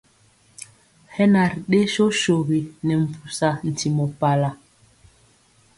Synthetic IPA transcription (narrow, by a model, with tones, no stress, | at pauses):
hɛ˦na˨ɾɗe˦ʃo˦ʃo˨ɣi˨nɛ˨m̩˨pu˨sa˨n̩˨tʰi˨mɔ˨pa˨la˨